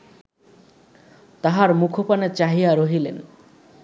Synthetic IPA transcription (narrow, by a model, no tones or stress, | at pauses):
t̪aɦaɾmukʰopanet͡ɕaɦiaɾoɦilen